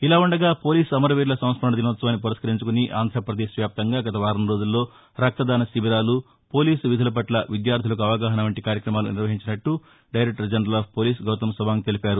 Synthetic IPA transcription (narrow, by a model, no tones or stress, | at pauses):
ilaːuɳɖɐɡaːpo̞ːliːsɐmɐɾɐʋiːɾlɐsɐmt̪spɐɳɐd̪inɐʋɐt̪sɐʋaːnːip̬uɾɐskɐɾiɲt͡ʃukuniʔa̰ːnd̪ɾaːpɾɐd̪eːʃʋjaːp̚t̪ɐŋɡaːɡɐt̪ɐʋaːɾɐmɾo̞ːd͡ʒulːo̞ː | ɾɐk̚t̪ɐd̪aːnɐsibiɾaːlu | po̞ːliːsʋid̪ʱɐlɐp̬ɐʈlɐʋid̪jaːɾt̪ʰilɐk̬uɐʋɐɡaːɦɐnɐʋɐɳʈikaːɾjɐkɾɐmaːlṵniɾʋɐɦiɲt͡ʃinɐʈːu | ɖɐjɾek̚ʈɐɾd͡ʒɐnɐɾɐlaːp̚ʰpo̞ːliːs̬ɡɐwt̪ɐmsɐbaːnit̪e̞lipaːɾu